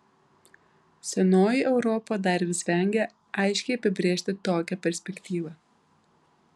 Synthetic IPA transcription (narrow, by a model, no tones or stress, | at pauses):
sʲɛnoːjɪʔɛʊɾɔpoːd̪ɐɾʲʋʲɪsʲʋʲɛˑŋʲɡʲɛ | ɐɪʃʲkʲɛɪɐpʲɪbʲɾʲeːʃʲt̪ʲɪt̪oːkʲɛpʲɛɾʲsʲpʲɛkʲt̪ʲiːʋɐ